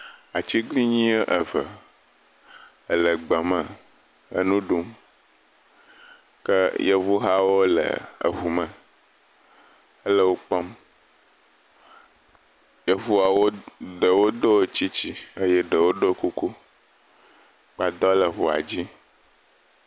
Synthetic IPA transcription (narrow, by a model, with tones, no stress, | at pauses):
a˨t͡ɕi˦ɡli˦ɲĩ˦ʔə˨və˨ | ə˨lə˨ɡ͡bɛ˨mə̃˨ | ə̰˦nũ˦ɖu˦m | kə˦je˦vu˦ɦa˦wo˦lə̰˨ə̰˨ɦu˨mə̃˨ | ə˦lə˦wo˦k͡pɔ˦m | jə˦vu˦a˨wo˦ɖə˨wo˦d̪o˦˨t͡ɕi˦t͡ɕi˦ə˦jɛ˦ɖə˨wo˦ɖo˦ku˦ku˦ | k͡pa˨d̪ɔ˦lə˨ɦu˨a̰˨d͡ʑi˦